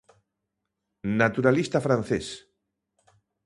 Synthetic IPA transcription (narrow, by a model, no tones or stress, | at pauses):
nat̪uɾalist̪afɾanθes